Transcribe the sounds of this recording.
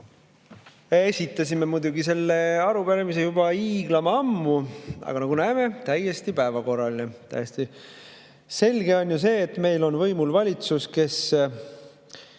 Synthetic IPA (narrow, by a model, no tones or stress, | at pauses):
esʲit̪ːˑɑsʲime̞mujd̪uɡise̞lːe̞ɑɾubeɾemise̞jub̥ɑiːɡ̥lɑmɑmːuɑ̰ɡ̥ɑnɑɡ̥unæeme̞t̪æjːe̞st̪ipæevɑko̞rːɑlinet̪æ̰jest̪i | se̞lʲɡ̥e̞o̞nʲjus̬e̞ːt̪ːme̞jlo̞nvɤjmulvɑlʲit̪suske̞s